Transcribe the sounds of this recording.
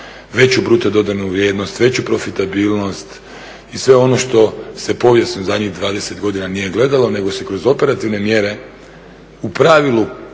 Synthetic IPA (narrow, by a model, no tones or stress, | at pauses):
ʋe̞t͡ɕubɾut̪od̪o̞d̪anuʋɾje̞ːd̪no̞st̪ʋe̞t͡ɕupɾo̞fit̪abiːlno̞st̪ | isʋe̞o̞no̞ʃt̪o̞se̞po̞ʋjesnozad̪ɲiɣd̪ʋaːd̪e̞se̞t̪ɡo̞d̪inanije̞ɡle̞d̪alo̞ne̞ɡo̞se̞kɾo̞zo̞pe̞ɾat̪iʋne̞mje̞ɾe̞ | upɾaʋilˠu